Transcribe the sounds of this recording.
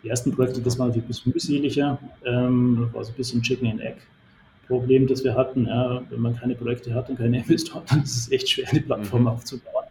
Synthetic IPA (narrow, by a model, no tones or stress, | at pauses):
diːʔeɐstn̩pʁ̥ojɛk̚tədas̬v̥aːɐnatʰːiç̥bɪsçənmyːzeːlɪçɐʔɛmdasva̰ːɐzoːnbɪsçənt͡ʃɪkŋ̩ɪnʔɛ̰k | pʁ̥obleːmdasv̥iːɐɦatn̩jaːvɛ̰nmankʰaɪnəpʁ̥ojɛktəɦat̚ʊnkʰaɪnəɪnvɛstʰoːɐnd̥anɪstəsʔɛçtʃv̥eːɐdiːpl̥atfɔɐmaʊft͡subaʊən